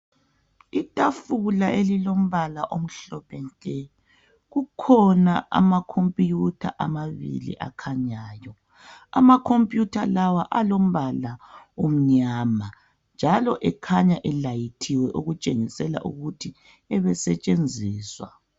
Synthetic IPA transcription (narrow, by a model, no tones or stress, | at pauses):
itʼafulaʔelilom̩βalaʔom̩ɬɔpɛnkʼɛ | ɣukʰɔnaʔa̰makʰompʼjutʰa̰ʔamaβḭlḭʔa̰kʰaɲaːjɔ | a̰makʰompʼjutʰalawaʔalom̩βalaum̩ɲaːma | nd͡ʒʱalɔʔɛkʰaɲaʔɛlajitʰiwɛʔuɣut͡ʃʼeŋisɛla̰ʔṵɣutʰi | ɛβɛsɛt͡ʃʼend͡zʱiːswa̰